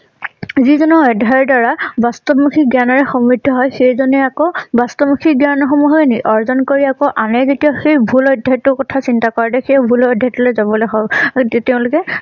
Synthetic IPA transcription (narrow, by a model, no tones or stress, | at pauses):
zizɔnɔɔjdʱaɔɹdaɹabastɔbmukʰiɡanɔɹɛxɔmɹidʱːɔɦɔjxejzɔnɛakɔbastɔmukʰiɡjanɔxɔmuɦɔɛniʔɔɹzɔnkoɹiakɔʔanɛzetijaxejbʱulɔjdʱajtːʊkɔtʰasintakɔɹadɛxejbʱulɔjdʱjajtːɔlojzabɔlojɦɔtɛʊ̃lʊkɛ